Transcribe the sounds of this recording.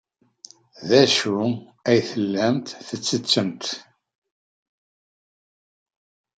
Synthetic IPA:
ðæʃuæjθəlːæmt̪θət͡sːət͡sːəmt̪

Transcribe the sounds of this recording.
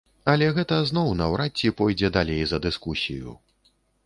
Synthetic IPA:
ɐlʲɛɣɛt̪ɐznɔwnɐwɾʔat͡sʲːipɔjd͡zʲɛd̪alʲejzɐd̪ɨskusʲḭjṵ

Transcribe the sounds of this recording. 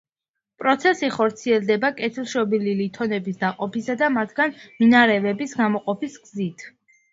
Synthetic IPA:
pʼɾɔt̪sʰɛsiχɔɾt̪sʰiɛlˠd̪ɛbakʼɛt̪ʰilˠʃɔbililit̪ʰɔnɛbisd̪aqʼɔpisad̪amat̪ʰɡ̥anminaɾɛvɛbisɡamɔqʼɔpisɡzit̪ʰ

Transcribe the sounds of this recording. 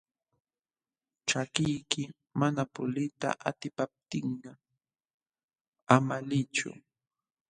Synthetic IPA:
ʈ͡ʂakɪjkɪ | manapʊ̰lɪt̪a̰ʔat̪ɪpap̚t̪ɪɴɢɑ | amalɪt͡ʃʊ̰

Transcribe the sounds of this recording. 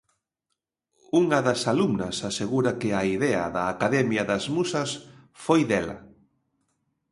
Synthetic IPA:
uŋɐðɐsalumnɐsaseɣuɾɐkɪaiðɛɐ̰ðɐːkaðɛmjɐðɐzmusɐs | fojðɛlɐ̰

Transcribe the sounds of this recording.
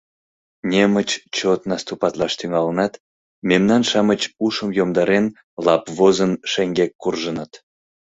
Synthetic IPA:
nʲemət͡ɕt͡ɕot̪nɑst̪upɑt̪lɑʃt̪yŋɑlənɑt̪ | memnɑnʃɑmət͡ɕuʃəmjomd̪ɑɾen | lɑpβozənʃeŋɡekːurʒənɑt̪

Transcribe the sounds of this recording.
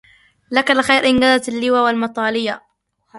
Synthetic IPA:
lakalɪxajɾʔɪnɡazat̪alːɪwaːwalmɑt̪ˤɑːlɪja

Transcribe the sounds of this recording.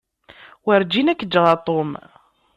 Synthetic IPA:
wəɾd͡ʒinækːəd͡ʒːʁat̪ˤom

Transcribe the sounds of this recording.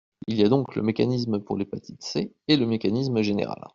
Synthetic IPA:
iliad̪ɔ̃klə̰mekʲanis̬mpuʁlepat̪ʰi̥t̪se | eləmekanismʒenḛʁa̰l

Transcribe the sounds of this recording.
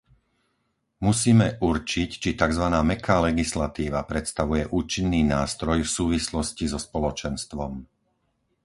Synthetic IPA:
musiːmɛʔuɾt͡ʃict͡ʃit̪aɡzʋanaːmɛkʰaːlɛɡislat̪iːʋapɾɛt̪st̪aʋujɛʔuːt͡ʃinːiːnaːst̪ɾɔjfsuːʋislɔscizɔspɔlɔt͡ʃɛnst̪ʋɔm

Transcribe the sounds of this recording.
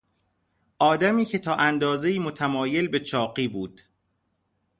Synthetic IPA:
ʔɒːd̪æmiːcʰe̞t̪ʰɒːʔænd̪ɒːze̞iːmo̞t̪ʰæmɒːje̞lbe̞t͡ʃʰɒːɢiːbuːd̪̥

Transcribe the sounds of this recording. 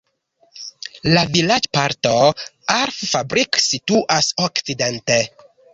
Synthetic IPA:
lavilad͡ʒpaɾtoaɾffabɾiksituʔasokt͡sidente

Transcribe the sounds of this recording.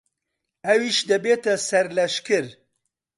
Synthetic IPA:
ɐwiʃd̪ɐbeːt̪ɐsɐɾlɐʃkɨɾ

